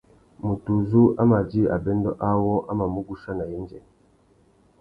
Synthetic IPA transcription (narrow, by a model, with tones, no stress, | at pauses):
mu˨tu˨zu˦a˦ma˨d͡ʒi˦a̰˨bɛ˦n˦dɔ˦ʔa˦wɔ˦ʔa˦ma˨mu˦ɡu˦ʃa˦na˨jɛ˦nd͡ʒɛ˨